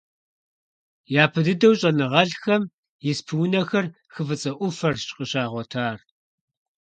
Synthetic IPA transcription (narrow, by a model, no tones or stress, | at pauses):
jaːpʰɨdɨdɐwɕʼɐnɨʁɐɮxɐm | jɪspʰwnɐxɐr | xɨvɨt͡sʼɐʔʷʊfɐrʼqʼəɕaːʁʷɔtʰaːr